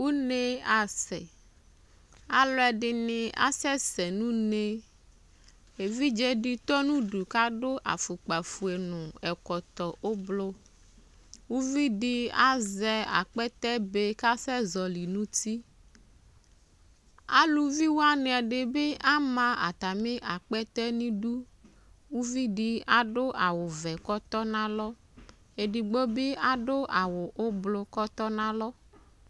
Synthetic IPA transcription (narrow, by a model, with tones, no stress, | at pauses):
wu˦ne˦a˨sɛ̰˨ | a˨lɔ˦ɛ˨ɖɪ˨nĩ˨a̰˦sɛ˦sɛ˨nũ˦ne˦ | e˨vi˦d͡ʒɛ˦ɖi˦t̪ɔ˦nũ˦ɖu˨ka˦ɖo˦ʔa̰˨fu˨k͡pa˨fu˨e˨nũ˨ɛ˨kɔ˨t̪ɔ˨ʔo˦blo˦ | wu˦vi˦ɖi˦a˦zɛ˦a̰˨k͡pɛ˦t̪ɛ˦be˦ka˦sɛ˦zɔ˨li˨nũ˦ti˦ | a̰˦lu˨vi˦wo˦a˦ne˨a˨ɖe˨be˦ʔa˦mã˦a̰˨t̪a˨mẽ˦ʔa˨k͡pɛ˦t̪ɛ˦nĩ˦ɖu˦ | wu˦vi˦ɖi˦a˦ɖo˦ʔa˨wʊ˨vɛ˨kɔ˦t̪ɔ˦nã˦lɔ˦ | e˨ɖi˨ɡ͡bo˦be˦ʔa˦ɖo˦ʔa˨wʊ˨ʔo˦blo˨kɔ˦t̪ɔ˦nã˦lɔ˦